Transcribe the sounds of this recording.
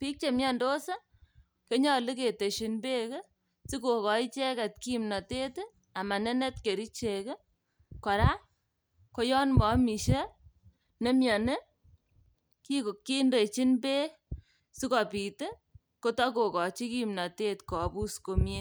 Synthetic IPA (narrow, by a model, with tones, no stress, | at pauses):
pi˦k̚t͡ʃe˨mja˦ndo˦sa˦ | ke˦ɲɔ˨li˦ke˨te˨ʃi˨nbe˦ke˦ | si˦ko˨kɔ˨i˦t͡ʃe˦kɛ˨tki˦mnɔ˨te˦t | a˨ma˨ne˦ne˦tke˨ɾi˦t͡ʃe˨ke˦ | kɔ˨ɾa˦ | ko˦jɔ˦nmɔ˨˦mi˨ʃe˦ | ne˦mjɔ˨ne˦ | ki˦ko˨kːi˦nde˨t͡ʃi˦nbe˦ | si˦kɔ˨piː˨te˦ | ko˦tɔ˦ko˨kɔ˨t͡ʃi˦ki˦mna˨te˦tkɔ˨pu˦sko˨mje˦